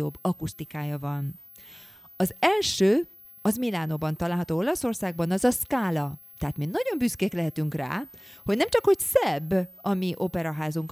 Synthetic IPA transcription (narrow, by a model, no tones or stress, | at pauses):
obːɒkust̪ikaːjɒvɒn | ɒzɛlʃøː | ɒzmilaːnobɒnt̪ɒlaːlɦɒt̪oːo̞lɒso̞rsaːɡ̚bɒnɒzɒskaːlɒt̪ɛɦat̪minɒɟo̞mbyskeːklɛɦɛt̪yŋkra̰ːho̞ɟnɛmt͡ʃɒkho̞csɛbːɒmiʔo̞pɛɾɒɦaːzuŋk